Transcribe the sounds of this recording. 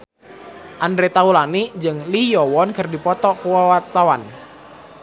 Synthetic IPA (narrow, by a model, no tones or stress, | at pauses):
ʔandɾet̪aulanid͡ʒɨŋlijɔwɔnkərdipɔt̪ɔkuwawart̪awan